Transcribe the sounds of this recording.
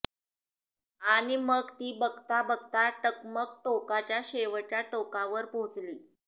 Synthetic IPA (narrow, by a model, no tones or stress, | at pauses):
aɽ̃iməɡt̪iːbəɡt̪abəɡt̪aʈəkmək̚ʈokat͡ɕjaɕeʋət͡ɕjaʈokaʋəɾpot͡sliː